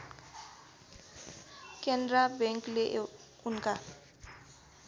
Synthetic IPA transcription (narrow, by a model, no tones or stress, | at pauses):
kɛndrabɛŋkleʔ | unkʼa